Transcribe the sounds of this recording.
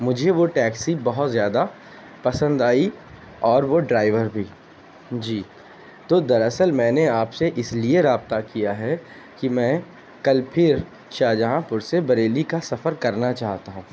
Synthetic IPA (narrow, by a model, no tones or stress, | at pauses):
mʊd͡ʒʱeʋoʈɛːksibɐɦʊt̪zjaːd̪a | pɐsə̃nd̪aːi | ɔːɾʋoɖɾaːɪʋəɾbʱiː | d͡ʒiː | t̪oːd̪ɐɾɐsəlmɛ̃ːneaːpseʔɪslieɾaːb̚t̪akijaɦɛ | kimɛ̃ː | kɐlpʰɪɾ | ʃaːd͡ʒəɦãpʊɾsebɐɾeːlikasɐfəɾkɐɾnat͡ʃaːɦt̪aɦũː